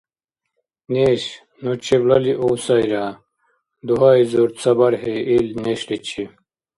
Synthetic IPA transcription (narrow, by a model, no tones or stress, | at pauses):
neːɕ | nut͡ɕʰeʋlɐliʔoːsaiɾaː | d̪uɦaːizuɾt̪sɐbɐɾɦeilneɕlit͡ɕʰi